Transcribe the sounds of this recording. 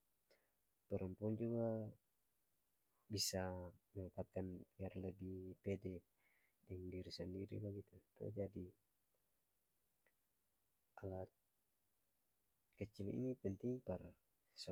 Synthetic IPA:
pəɾumpuaŋd͡ʒuɡa | bisaməŋək̪ap̚kaniarləbihpɛdɛ | dɛŋdiɾisəndiɾḭbaɡit̪ut̪ṵd͡ʒadi | ʔalat̪̚ | kət͡ʃilḭnipənt̪ɪŋpər | s

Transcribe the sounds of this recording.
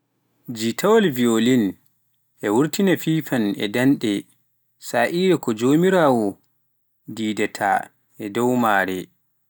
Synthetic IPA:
d͡ʒitʰawalviolin | ʔɛwuɾtinafiːfanɛ̰danɗɛ | saːʔiːɾɛkɔd͡ʒoːmiɾaːwɔ | diːdatʰa̰ | ʔɛdɔwmaːɾɛ

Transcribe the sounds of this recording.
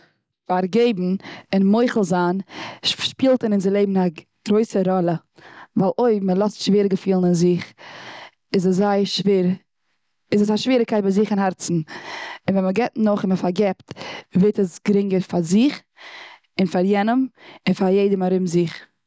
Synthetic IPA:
faɾɡeɪbm̩ɪnmoɪχl̩ˠzaːnʃpiːlˠtənɪnzɪlˠeɪbm̩n̩a | ɡ̥ɾoɪsəɾɔlˠə | vaːlˠoɪməlˠɔstʃveːɾəɡəfiːlˠnɪnzɪχ | ɪzəszaɪʃɾ | ɪzəsaʃviːɾəkʰaɪt̚baɪzɪχɪnhɛɾt͡sn̩ɪnvɛnməɡɛtnʊχɪnməfaɾɡɛptvetəsɡ̥əɾɪŋɡəɾfaɾzɪχ | ɪnfaɾjɛnəmɪnfaɾjeɪdəmaɾɪmzɪχ

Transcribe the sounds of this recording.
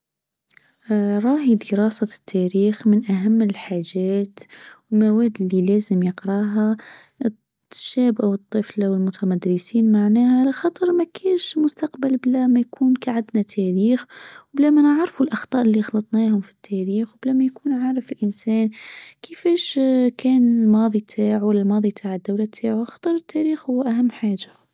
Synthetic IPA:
ɾˤɑːhid̪əɾɑːsat̪ʰːæɾiːxmɪnʔaɦamːɪlħaːʒæːt̪wɪlmawæːd̪ɪlːilæːzəmjɑqɾɑːɦa | ʃæːbʔawɨt̪ˤːɨflawɪlmʊt̪ʰamad̪ɾɪsiːnmaʕnæːhalɪxɑt̪ˤɑɾˤmækʰæːnʃmʊst̪aqbalblæmajkʰuːnkaʕad̪nat̪ʰæɾiːxwblæmænaʕɾfulʔɑxt̪ˤɑːʔɪlːixlɑt̪ˤnæhʊmfi̥t̪ʰːæɾiːxwblæmæjkuːnʕaːɾəfɪlʔənsæːnkʰəfæʃkʰæːnɪlmɑːðˤit̪ʰaːʕuwalːælmɑːðˤit̪ʰaʕəd̪ːawlat̪ʰaːʕuxɑ̥t̪ˤɑɾˤət̪ːæɾiːxhʊːʔæɦæmːħaːʒa

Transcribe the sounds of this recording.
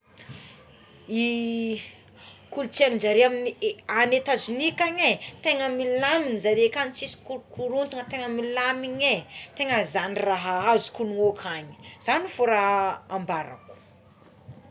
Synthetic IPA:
i | kult͡samind͡ʒaɾiaminianet̪azunikaɲet̪eŋəmillaminizaɾekanit͡sisi̥kuɾkʰuɾunt̪uŋət̪eŋəmillamiɲet̪eŋəzaniraɦaazu̥kunuokʰaɲi̥z̥anifoɾaːmbaɾa̰ku̥

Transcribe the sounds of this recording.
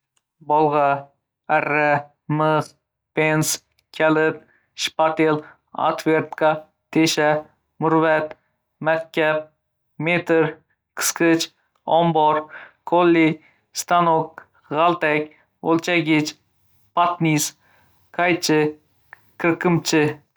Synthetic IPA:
bɒlˠʁɑ | arːa | mɨz | pens | kʲʰalɪt̪̚ | ʃpat̪el | a̰t̪veɾt̪kʰɑ | t̪ʰeʃa | mʊɾvat̪ | mak̚ʲkʲːap̚ | met̪ɨɾ | kʰɨ̥skɨt͡ʃ | ɒmbɔɾkʰolːi | st̪anok̚ | ʁalˠt̪akʲ | olˠt͡ʃʰaɡʲɪt͡ʃ | pat̪nis | kʰajt͡ʃʰɪ | kʲʰɪɾkʰːɪmt͡ʃʰɪ

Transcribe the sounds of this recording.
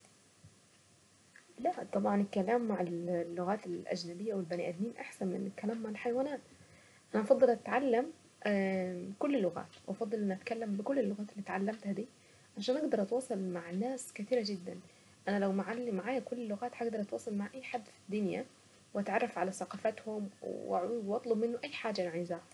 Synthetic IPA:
læʔt̪ˤɑbʕɑnekælæːmːaʕallːoɣæːt̪elʔæ̰d͡ʒnæbejːæwelbæniʔæd̪niːnʔaħsænmɪ̰nekːælæːmːaʕalħajwæːnæːt̪ | ʔænæʔɑfɑd̪ˤːelʔæt̪ʕalːæm | kʊlːlːoɣæ̰ːt̪wʔɑfɑd̪ˤːɨlʔænʔæt̪kælːæmbɪkolːelːoɣæːt̪elːiːt̪ʕalːæmt̪hæd̪iː | ʕaʃæːnʔɑɡd̪ɑɾˤʔɑt̪wɑːsˤɑlmaʕnaːskɪt̪iːɾad͡ʒɪd̪ːæ̰n | ʔænælæwmaʕalːimaʕaːjækʊlːlːʊɣaːt̪ħaɡd̪ɑɾˤʔɑt̪wɑːsˤɑlmaʕʔajːħad̪ːfi̥d̪ːʊnjæ̰ | wʔæt̪ʕɑrˤːɑfʕalæsaqɑːfat̪hʊmwʔa̰ʕuːd̪wʔɑt̪ˤlobmɪnːʊʔæjːħaːd͡ʒanaʕeːzæ

